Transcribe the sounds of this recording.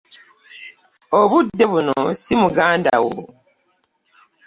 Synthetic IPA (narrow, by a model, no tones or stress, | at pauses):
oβudːe̞βuno̰simuɡaːnda̰wo̰